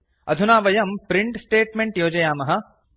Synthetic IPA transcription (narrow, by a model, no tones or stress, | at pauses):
ɐ̰d̪ʱunaːʋɐjɐmpɾiɳʈsʈeːʈmeɳʈjoːd͡ʒɐjaːmɐɦɐ